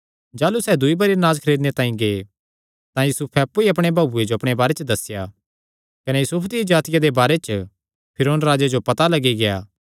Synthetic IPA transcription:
d͡ʒaːlusɛːd̪ʊibɐɾinaːd͡ʒkʰɐɾeːd̪net̪ãːĩɡeː | t̪ãjusupʰɛɐpːuiɐp̬ɽ̃ebʱaːbued͡ʒoɐpɽ̃ebaːɾet͡ʃəd̪ɐsɪja | kɐnɛjusʊpʰd̪ijid͡ʒaːt̪ɪjad̪ebaːɾet͡ʃə | pʰɪɾoːnɾaːd͡ʒed͡ʒopɐt̪alɐɡiɡejaː

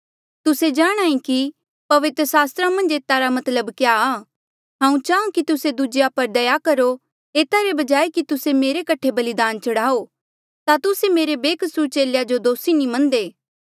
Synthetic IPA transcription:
t̪ʊsed͡ʒaːɽ̃aːĩki | pɐʋɪt̪ɾəsaːst̪ɾamɐ̃nd͡ʒeːt̪aɾamɐt̪ləbkjaa | ɦãːũt͡ʃaːũkit̪ʊsed̪ud͡ʒejapɐɾd̪ɐjakɐɾo | eːt̪aɾebɐd͡ʒaːekit̪ʊsemeːɾekɐʈʰebɐlɪd̪aːnt͡ʃɐɽaːo | t̪at̪ʊsemeːɾebeːkʰəsuɾt͡ʃeːljad͡ʒod̪oːsinĩmɐ̃nd̪eː

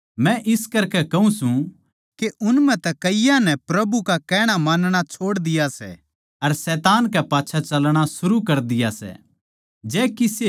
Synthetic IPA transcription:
mɛ̃ʔɪskɐɾkɛkɐɦũsũ | keʔʊnmɛ̃t̪ɛkɐɪjãnɛpɾɐbukakɛːɽ̃amaːnɽ̃at͡ʃʰoːɽd̪ɪjasɛ̰ | ɐɾsɛːt̪aːnkɛpaːtːʃʰat͡ʃɐlɽ̃asʊɾukɐɾd̪ɪjasɛ̰ | d͡ʒɛːkɪse

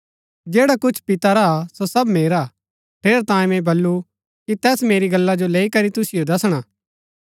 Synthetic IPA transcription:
d͡ʒeːɽakʊt͡ʃʰpɪt̪aɾasosɐbmeːɾa | ʈʰeːɾt̪ãːẽmɛ̃bɐlːu | kit̪ɛːsmeːɾiɡɐlːad͡ʒoleːikɐɾit̪ʊsɪjod̪ɐsɽ̃aː

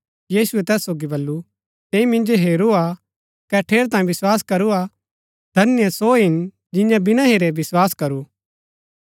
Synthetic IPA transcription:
jiːsuɛt̪ɛːsːoːɡibɐlːu | t̪eːimɪ̃nd͡ʒoɦeːɾua | kɛʈʰeːɾt̪ãːĩʋɪswaːskɐɾua | d̪ʱɐnɪjəsoɦɪn | d͡ʒɪ̃jãbɪnãɦeɾeʋɪswaːskɐɾuː

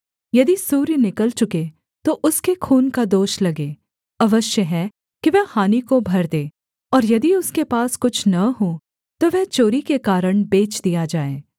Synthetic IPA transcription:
jɐd̪isuːɾjnɪkəlt͡ʃʊke | t̪oʔʊskekʰuːnkad̪oːʃlɐɡeː | ɐʋəʃjəɦɛː | kiʋɛɦhaːnikobʱɐɾd̪eː | ɔːɾjɐd̪iʊskepaːskʊt͡ʃʰnɐɦo | t̪oʋɛɦt͡ʃoːɾikekaːɾəɽ̃beːt͡ʃd̪ijad͡ʒaːḛː

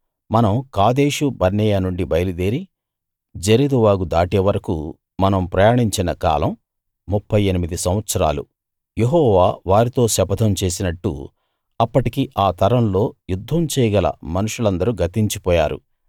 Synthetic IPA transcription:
mɐnɐmkaːd̪e̞ːʂubɐɾnɛjaːnuɳɖibɐjɐlud̪eːɾi | d͡ʒeɾid̪uʋaːɡud̪aːʈɛʋɐɾɐkṵ | mɐnɐmpɾɐjaːɳiɲt͡ʃinɐka̰ːlɐmː | upʰːɐjenimid̪isɐ̃w̃ʋɐt̪sɐɾa̰ːlṵ | jeɦɔːʋaːʋaːɾit̪o̞ːʃɐpɐd̪ʰʱɐmt͡ʃe̞ːsinɐʈːṵ | ɐpːɐʈikiʔaːt̪ʰɐɾɐmlo̞ːjud̪ʱːɐmt͡ʃɛːjɐɡɐlɐ̰mɐnuʂulɐnd̪ɐɾuɡɐt̪iɲt͡ʃipɔːjaːɾṵ

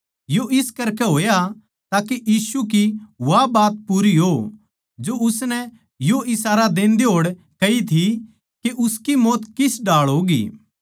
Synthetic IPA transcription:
joʔɪskɐɾkɛɦoːja | t̪aːkejiːsuk̬iʋabaːt̪̚puːɾiɦo | d͡ʒoʊsnɛ | joʔɪsaːɾad̪ẽːnd̪eɦoːɽ | kɐit̪ʰi | keʔʊskimɔːt̪kɪsɖaːɭɦoːɡḭː

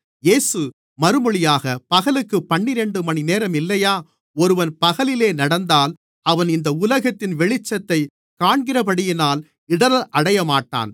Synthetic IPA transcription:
jeːsɯ | mɐɾɯmɔɭɪjaːɣɐpɐɣɐlɯkːɯpːɐɳːɪɾɛɳɖɯmɐɳineːɾɐmɪlːɐjaː | ɔɾɯʋɐnpɐɣɐlɪleːnɐɽɐnd̪aːl | ɐʋɐnɪnd̪ɐʊlɐɣɐt̪ːɪnʋɛɭɪt͡ʃːɐt̪ːɐɪ | kaːɳɡɪrɐpɐɽɪjɪnaːl | ɪɽɐɾɐʔɐɽɐjɐmaːʈːa̰ːn

